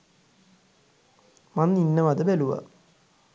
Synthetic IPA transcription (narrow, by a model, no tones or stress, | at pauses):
manːinːəʋad̪əbæluʋa̰